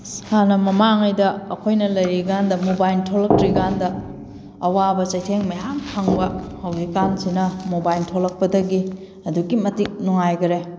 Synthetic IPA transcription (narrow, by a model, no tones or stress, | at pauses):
shanɐmɐmaŋajdɐːkʰojnɐlɐjɾiɡandɐmobajltʰolɐk̚tɾiɡandɐː | wabɐt͡ʃɐjtʰeŋmɐjɦaŋpʰaŋbɐhawɡikansinɐmobajltʰolɐk̚pɐdɐɡi | ɐduɡimɐtik̚nuŋajɡɐɾe